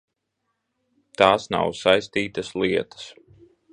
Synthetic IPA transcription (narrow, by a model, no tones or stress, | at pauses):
t̪aːsna̰wsajst̪iːt̪ɐsliɛt̪ɐ̥s